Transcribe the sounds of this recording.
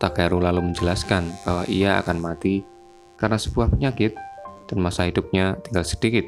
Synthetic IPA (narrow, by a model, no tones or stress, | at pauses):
t̪aɡaɾulaluməɲd͡ʒəlaskanb̥awaʔijaa̰kanmat̪i | karnasəbuahpəɲakɪt̪̚d̥anmasaɦidʊp̚ɲat̪iŋɡalsədikɪt̪̚